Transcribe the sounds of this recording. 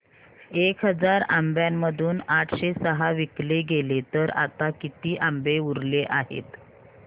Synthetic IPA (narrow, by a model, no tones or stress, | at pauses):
ekɦəd͡zaɾambjamːəd̪ʱuːnaʈʰɕesəɦaʋikleɡelet̪əɾa̰t̪akit̪iːʔambeuɾleʔaɦḛt̪